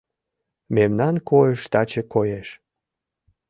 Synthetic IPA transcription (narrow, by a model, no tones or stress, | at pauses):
memnɑnkʰojəʃt̪ɑt͡ɕekojeʃ